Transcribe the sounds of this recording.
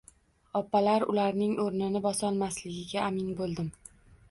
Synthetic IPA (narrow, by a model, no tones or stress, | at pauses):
ɒpːalaɾʊ̰laɾnɪŋʔoɾnɪnɪbɒsɒnmaslɪɡʲɪɡʲaːmɪnbolˠd̪ɪm